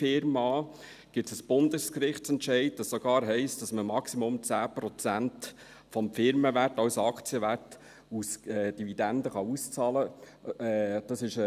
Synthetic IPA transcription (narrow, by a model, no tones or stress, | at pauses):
ɪɾmɑː | ɡ̥ɪt͡səsb̥ʊndəskɾɪχtt͡sɛntʃɛɪd̚d̥ɑsːoɡ̥ɑːɾɦɛɪstd̥ɑsməmɑksimʊmt͡sæːpɾɔt͡sænt | fɔmfɪɾməʋætɑwsɑkt͡siəʋæt | usɛːd̥ividændəχɑust͡sɑːlə | d̥ɑsɪʃ